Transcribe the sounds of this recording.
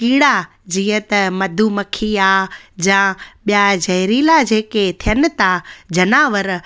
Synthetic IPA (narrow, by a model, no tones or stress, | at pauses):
kiːɽa | d͡ʑiːət̪ɐmɐd̪ʱumɐkʰiaːd͡ʑãɓijad͡ʑɐɦɾiːlad͡ʑeːket̪ʰijənɪ̆t̪ad͡ʑʱɐnaːʋəɾ